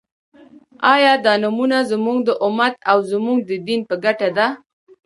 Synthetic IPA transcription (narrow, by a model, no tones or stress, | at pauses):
ɑjɑd̪ɑnamunazəmuŋɡd̪əʔʊmat̪awzəmuŋɡ̚d̪əd̪inpəɡaʈad̪a